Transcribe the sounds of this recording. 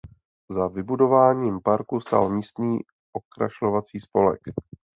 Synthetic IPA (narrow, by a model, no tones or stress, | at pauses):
zavɪbudo̞vaːɲiːmpaɾkust̪a̰lmiːst̪niː | ʔo̞kɾa̰ʃlovat͡siːspo̞lɛ̰k